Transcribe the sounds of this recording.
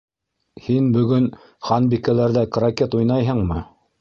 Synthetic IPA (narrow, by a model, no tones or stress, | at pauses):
hinbɵ̆ɡɵn | χɑnbikælæɾðækrakʲet̪ujnɑjɦɤɴmɤ